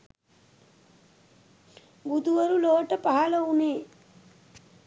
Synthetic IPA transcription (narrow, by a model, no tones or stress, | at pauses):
bud̪uʋɐɾuloːʈɐpaɦɐlɐuneː